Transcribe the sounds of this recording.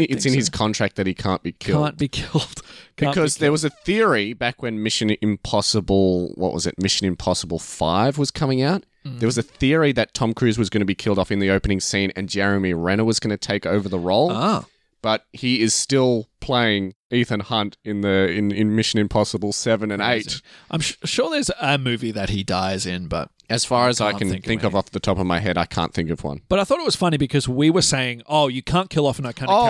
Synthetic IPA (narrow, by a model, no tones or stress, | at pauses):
ɨtsɨ̃nɨz̥kʰɑ̃ntɹ̥æk̚ðɨt̚hikʰæ̃nb̥ikʰɪl̃ˠnb̥ikʰɪlˠd̥b̥ɨkʰʌzðə˞wʌzɨθɪɹibækwɨ̃nmɪʃɨ̃nɨ̃mpʰɑsəbl̩ˠwʔʌ̰ʔ̚wʔʌ̰zɨ̰t̚mɪʃɨ̃nɨ̃mpʰɑsəbl̩ˠfa̰ɪvwʌz̥kʰʌmɪ̃ŋaʊt̪̚ | ðə˞wʌzɨθɪɹiðɨtʰɑ̃mkʰɹ̥ʉzwʌzɡʌñɨbikʰɪlˠdɔfɨ̃nðioʊpɨnɪ̃ŋsĩnɨ̰̃nd͡ʒɛɹɨmiɹɛ̃ñəwʌzɡʌñɨtʰeɪkoʊvə˞ðəɹoʊlˠ | b̥ʌt̚hiɪz̥stɪlˠpʰl̥eɪɪ̃ŋ | iθɨ̃nhʌ̃ntɨ̃nðɨɪ̃nɪ̃nmɪʃɨ̃nɨ̃mpʰɑsəbl̩ˠsɛvɨ̃nɨ̃neɪtʔãɪ̃mʃʃʊɹðə˞zəmʉviðɨt̚hidaɪzɪ̃nbʌ̰t̚ɨz̥fɑɹɨzaɪkɨ̃ñ̩ŋθθɪ̃ŋkʌvɔfðɨtʰɑpʌvmaɪɦɛɾaɪkʰæ̰̃nθɪ̃ŋkʌvwʌ̰̃nb̥ʌɾaɪθɔɾɨt̚wʌz̥fʌnibɨkʰʌzwiwə˞seɪɪ̃ŋoʊjɨkʰæ̃nkʰɪlˠɔfə̃naɪkʰão